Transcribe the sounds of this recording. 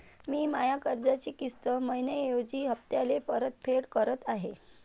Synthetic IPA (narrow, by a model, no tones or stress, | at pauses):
miːmajakəɾd͡zat͡ɕikist̪əməjnəjod͡ʑiːɦəpt̪jalepəɾət̪̚pʰeɽkəɾət̪aɦe